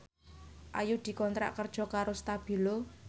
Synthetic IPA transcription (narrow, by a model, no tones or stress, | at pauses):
ʔajud̪̥i̤kɔnt̪ɾa̰ʔkərd̥ʒ̥ɔ̤kaɾost̪ab̥i̤lo